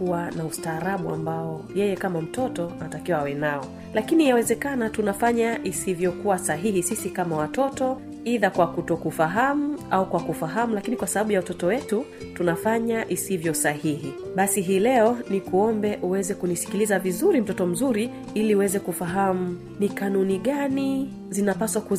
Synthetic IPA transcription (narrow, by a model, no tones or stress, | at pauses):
kuwanaustaːɾaɓua̰mbaɔjɛjɛkamam̩tɔtɔatakiwaawɛnaɔ | lakinijawɛzɛkanatunafaɲaʔisivjɔkuwasaɦihisisikamawatɔtɔ | iðakwakutɔkufaɦamuaukwakufaɦamulakinikwasaɓaɓujawatɔtɔwɛtu | tunafaɲaʔisivjɔsahihiɓasiɦiːlɛɔnikuɔmbɛʔuwɛzɛkunisi̥kilizavizuɾim̩tɔtɔm̩zuɾi | iliuwɛzɛkufaɦamu | nikanuniɠani | zinapaswaku